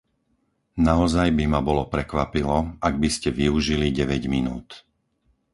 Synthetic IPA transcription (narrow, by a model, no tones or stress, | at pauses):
naɔzajbimabɔlɔpɾɛkʋapilɔaɡ̚biscɛʋiuʒiliɟɛʋɛɟminuːt̪